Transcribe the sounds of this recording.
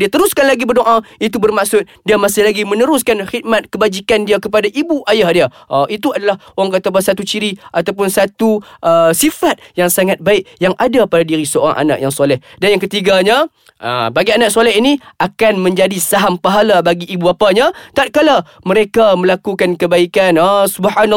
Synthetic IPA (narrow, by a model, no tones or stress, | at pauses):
diat̪əɾuskanlaɡibərdoʔait̪̬ubərmaksʊt̪̚diamasɪhlaɡimə̃nəɾʊskanxit̪̚mat̪̚kəbad͡ʒikandiakəpadaʔibuʔajahdia | ʔʔit̪uadalahoaŋk̬at̪abasat̪ut͡ʃiɾiʔat̪awp̬ʊnsat̪uʔəsifat̪̚jaŋsaŋat̪̚baɪkjaŋʔadapadadiɾisəoɾa̰ŋʔa̰na̰ʔ̚jaŋsolɛhdanjaŋkət̪iɡaɲa | ə̰baɡianaʔ̚solɛɦiniakanmə̃ɲd͡ʒadisaɦampaɦalabaɡiʔːbuapaɲat̪at̪̚kala | məɾekamə̃lakukankəbaikanasubħan